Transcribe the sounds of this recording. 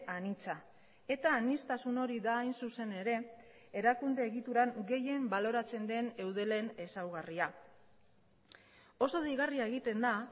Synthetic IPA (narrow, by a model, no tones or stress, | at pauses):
anit͡sa | e̞t̪aːnist̪asuno̞ɾiðaːjnsuse̞ne̞ɾe̞ː | ɾakund̪e̞ːɣit̪uɾaŋɡe̞je̞mbalo̞ɾat͡se̞nd̪e̞ne̞wðe̞le̞ne̞sawɣaria | o̞so̞ðiɣariaeɣ̞it̪e̞nd̪a